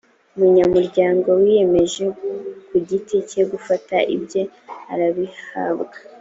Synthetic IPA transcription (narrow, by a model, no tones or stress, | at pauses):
umuɲamuɾɟaːŋɡo̞wije̞me̞ʒe̞kuɟitice̞ɡufataʔḭbje̞ | aɾaβiha̰bɡa